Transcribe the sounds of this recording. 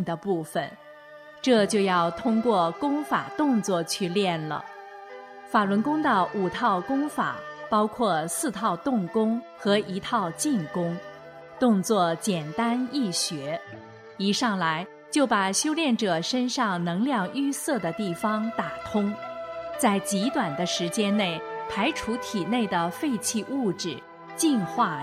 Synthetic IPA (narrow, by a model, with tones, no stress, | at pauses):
d̪ə˩pu˥˩fə̰˩n | ʈ͡ʂɤ˥˧t͡ɕjo˥˧ʊjɑ˥˩ʊt̪ʰʊ˥ŋkwɔ˥˧kʊ˥ŋfa˨˩t̪ʊ˥˧ŋt͡swɔ˥˧˩t͡ɕʰy˥˧ljɛ˥˩nlə̰˩ | fa˨˩lwə˧˥nkʊ˥ŋd̪ə˨u˨˩t̪ʰɑ˥˩ʊkʊ˥ŋfa̰˨˩˦pɑ˥ʊkʰwɔ˥˧sɹ̩˥˧t̪ʰɑ˥˧ʊt̪ʊ˥˩ŋkʊ˥ŋ | xɤ˧˥i˧˥t̪ʰɑ˥˧ʊt͡ɕi˥˩nkʊ˥ŋ | t̪ʊ˥˧ŋt͡swɔ˥˩t͡ɕjɛ˨˩nt̪a˥ni˥˩ɕɥɛ˧˥ | i˨˩ʂɑ˥˩ŋla˧˥ɪ | t͡ɕjo˥˩ʊpa˨˩ɕjo˥ʊljɛ˥˩nʈ͡ʂɤ˨˩ʂə˥nʂɑ˥˩ŋnɤ˧˥ŋljɑ˥˧ŋy˥˧sɤ˥˩d̪ə˩t̪i˥˩fɑ˥˩ŋt̪a˨˩t̪ʰʊ˥ŋt͡sa˥˩ɪt͡ɕi˧˥t̪wa˨˩nd̪ə˦ʂɻ̩˧˥t͡ɕjɛ˥nne˥˩ɪpʰa˧˥ɪʈ͡ʂʰu˧˥t̪ʰi˨˩ne˥˩ɪd̪ə˩fe˥˧ɪt͡ɕʰi˥˧ʔu˥˩ʈ͡ʂɻ̩˨˩ | t͡ɕi˥˧nxwa˥˩